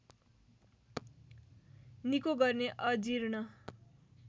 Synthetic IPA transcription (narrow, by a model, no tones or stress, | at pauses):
nikoɡʌrneʔʌd͡ziɾnʌ